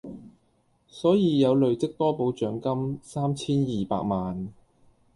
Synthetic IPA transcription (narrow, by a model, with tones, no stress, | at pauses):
sɔː˨˥jiː˨˧jɐ˨˧wlɵ˨ɥt͡sɪ˥k̚t̪ɔː˥po˨˧wt͡ʃœː˨˥ŋkɐ˥msaː˥mt͡sʰiː˥njiː˨pa̰ː˧k̚maː˨n